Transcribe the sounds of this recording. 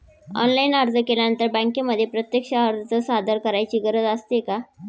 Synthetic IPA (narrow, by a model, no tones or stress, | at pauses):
ɔ̰nlainaɾd͡z̪əkeljanənt̪əɾbə̃ŋkeməd̪ʱːjepɾət̪jekɕaəɾd͡zət͡səsad̪ʱəɾkəɾajt͡ɕiːɡəɾəd͡zəst̪eka